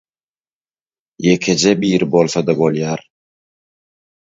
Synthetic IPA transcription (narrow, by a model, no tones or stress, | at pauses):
jekʲʰed͡ʒebiːɾɪbolˠθɑd̪ɑbo̞lˠjɑːɾ